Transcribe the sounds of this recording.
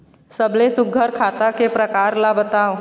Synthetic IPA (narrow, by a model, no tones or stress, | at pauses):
səblesʊɡʱəɾkʰaːt̪akepɾɐkaːɾlabət̪aːo